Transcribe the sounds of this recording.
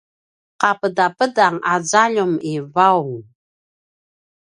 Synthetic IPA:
qapədapədaŋazaʎumivawŋ

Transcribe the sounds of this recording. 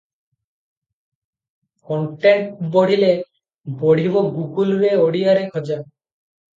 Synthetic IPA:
kɔɳʈeɳʈboɽ̤ile | boɽ̤iboɡuɡulɾeoɽiaɾekʰɔd͡ʒa

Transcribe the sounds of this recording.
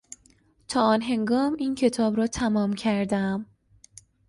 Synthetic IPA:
t̪ʰɒːɒːnɦe̞ŋɡɒːmiːncʰe̞t̪ʰɒːbɾɒːt̪ʰæmɒːmcʰæɾd̪æm

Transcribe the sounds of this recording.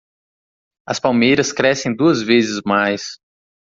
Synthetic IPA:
ɐ̰spawmejɾɐskɾɛsẽj̃d̪uɐzvezɪzmajs

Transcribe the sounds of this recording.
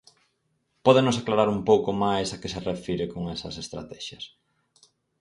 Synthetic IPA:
pɔðenʊsaklaɾaɾumpowkomajsakeserefiɾɪkoŋɛsɐsest̪ɾa̰t̪ɛʃjɐs

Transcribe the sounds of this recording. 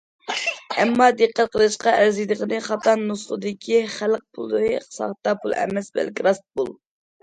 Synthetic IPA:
ɛmːɑd̪eqːæt̪̚qʰəlˠɨʃqɑʔæɾzid̪əʁənɨχɑt̪ɑnːusχəd̪ɪkʲʰiχælq̚pʰulˠd̪ɨɾɨsɑ̰χt̪ːɑpʰulˠɛ̰mɛsbɛ̰lkʲiɾɑst̪̚bṵlˠ

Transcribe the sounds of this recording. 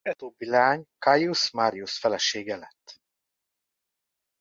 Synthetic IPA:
ɛt̪oːbːilɛaːɲkajusmaːɾijusfɛlɛʃeːɡɛlɛt̪ː

